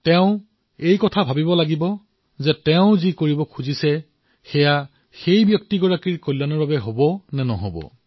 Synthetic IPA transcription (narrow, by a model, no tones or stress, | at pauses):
tɛʊ̃ | ejkɔtʰabʱabibɔlaɡibɔ | zɛtɛʊ̃zikoɹibɔkʰuzisɛ | xɛja | xejbjɔk̚tiɡɔɹakiɹkojlːanɔɹbabɛɦobɔnɛnɔ̰ɦo̰bɔ̰